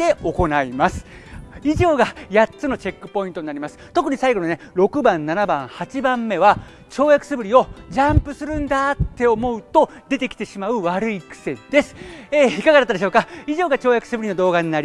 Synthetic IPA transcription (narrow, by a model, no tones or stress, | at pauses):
e̞o̞ko̞naimasɨ̥iʑo̞ːɡajatt͡sɨno̞t͡ɕe̞kːɯ̟̥po̞ĩnt̪o̞ɲ̟inaɾʲimasɨ̥t̪o̞k̬ɯ̟ɲ̟isaiɡo̞none̞ɾo̞kɯ̟bãnːanabãɰ̃hat͡ɕibãmːe̞βa | t͡ɕo̞ːjakɯ̟̥sɨbɯ̟ɾʲio̞ʑãmpɯ̟sɨɾɯ̟̃nd̪at̪ːe̞o̞mo̞ɯ̟t̪o̞d̪e̞t̪e̞kʲi̥t̪e̞ɕimaɯ̟βaɾɯ̟ikɯ̟̥se̞d̪̥e̞sɨ̥eːikaɡad̪at̪ːad̪eɕo̞ːkaiʑo̞ːɡat͡ɕo̞ːjakɯ̟sɨbɯɾʲinod̪o̞ːɡaɲ̟inaɾʲi